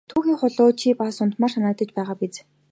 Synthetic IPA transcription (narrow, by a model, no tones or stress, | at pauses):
t̪ʰuːxeːχʊɮʊːt͡ɕʰipasʊnt̪maːrsanə̆k̚t̪ə̆t͡ɕpæːʁaːpit͡s